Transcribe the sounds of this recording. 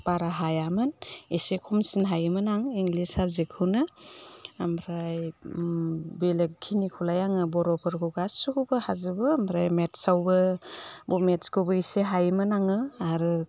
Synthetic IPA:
paɾaɦajamɯnisekʰumsinɦajɯmɯnaŋiŋlisabzikʰɯwnɯ | amʰɾaj | belek̚kʰinikʰulajaŋɯbɔɾɔpʰɯɾɡʰuɡasukubɯhazɯbɯːmbɾajmetsawbɯbɔmetskʰɯwbɯiseɦajmɯnaŋɯaɾɯ

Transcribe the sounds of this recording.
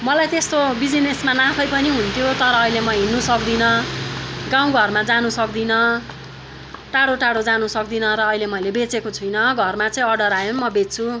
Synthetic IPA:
mʌlajt̪est̪obid͡zinesmanãpʰʌjpʌniɦunt̪ʰjot̪ʌɾʌːɦilemʌɦinːusʌkd̪inʌ | ɡãw̃ɡʱʌrmad͡zanusʌkd̪inʌ | ʈaɽoʈaɽod͡zanusʌkd̪inʌɾʌːɦilemʌjlebet͡sekot͡sʰʌjnʌɡʱʌrmat͡sʌĩʌɽʌɾajomʌbet͡st͡sʰu

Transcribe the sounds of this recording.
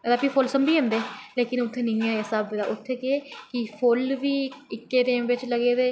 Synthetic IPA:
d̪aːpiːpʰʊlsəmbiːɦẽnd̪eːleːkɪnʊt̪ʰːeːnɪĩːãesabd̪a̰ːʔʊt̪ʰːeːkeeːkɪpʰolʋiːɪkːeːt̪eːmʋɪt͡ʃləɡeːd̪eː

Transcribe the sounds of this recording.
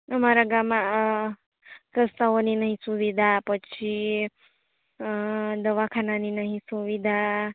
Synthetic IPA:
əmaɾaɡama | ɾəst̪aʋoninəɦĩsuʋid̪ʱapət͡ʃʰi | d̪əʋakʰananinəɦĩsuʋid̪ʱa

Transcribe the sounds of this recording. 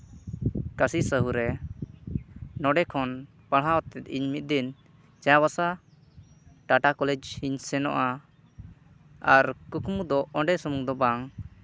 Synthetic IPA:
kasisəɦuɾɛ | nɔɖɛkʰɔn | paɽɦãwɔt̪ɛt̪̚iɲmit̪̚d̪in | t͡ʃajaβasa | ʈaʈakɔlɛd͡ʒhiɲsɛnɔ̰ʔa | aɾkukmud̪ɔɔɳɖɛsumuŋd̪ɔbaŋ

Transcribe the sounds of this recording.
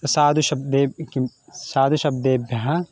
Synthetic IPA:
ɐsaːd̪ʱuʃɐbd̪eːki | saːd̪ʱuʃɐb̚d̪eːbʱjɐɦɐ

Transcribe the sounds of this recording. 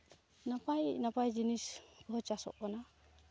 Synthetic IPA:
napajnapajd͡ʒinisbɔɦɔt͡ʃasɔ̰ʔbana

